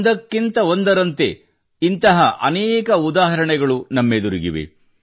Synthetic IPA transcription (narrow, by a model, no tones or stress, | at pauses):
d̪ɐkːint̪ɐo̞nd̪ɐɾɐnt̪e̞ | int̪ɐɦɐʔɐ̰nɛːkɐud̪aːɦɐɾɐɳɛɡɐɭunɐmːed̪uɾiɡiʋḛ